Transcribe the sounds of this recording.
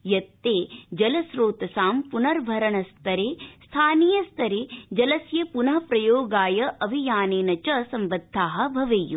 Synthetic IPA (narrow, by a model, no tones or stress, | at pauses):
jɐt̪ːeːd͡ʒɐlɐsɾoːt̪ɐsaːmpunɐɾʋʱɐɾɐɳɐst̪ʰɐɾeːst̪ʰaːniːjɐst̪ʰɐɾeːd͡ʒɐlɐsjɐpunɐɦɐpɾɐjoːɡaːjɐʔɐʋʱijaːneːnɐt͡ʃɐsɐmʋɐd̪ʱːaːɦɐ̆bʱɐʋejṵ